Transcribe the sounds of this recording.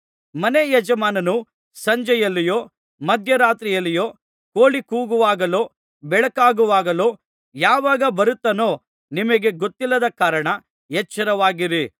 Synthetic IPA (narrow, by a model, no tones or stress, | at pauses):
mɐnejɐd͡ʒɐmaːnɐnu | sɐɲd͡ʒɐjɐlːijo̞ː | mɐd̪ʱjɐɾaːt̪ɾijɐlːijoː | koːɭikuːɡuʋaːɡɐlo̞ː | bɛɭɐkaːɡuʋaːɡɐlo̞ː | jaːʋaːɡɐbɐɾut̪ːɐnoː | nimɐɡe̞ɡot̪ːilːɐd̪ɐkaːɾɐɳɐ | ɦɛt͡ʃːɐɾɐʋaːɡiɾi